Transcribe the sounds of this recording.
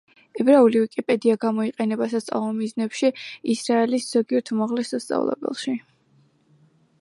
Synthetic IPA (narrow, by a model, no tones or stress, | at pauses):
ɛbɾaulivikʼipʼɛd̪iaɡamɔiqʼɛnɛbasat̪sʼa̰lˠɔmiznɛpʃiisɾaɛlisz̥ɔɡiɛɾt̪ʰumaʁlɛsːast̪sʼa̰vlˠɛ̰bɛ̰lˠʃi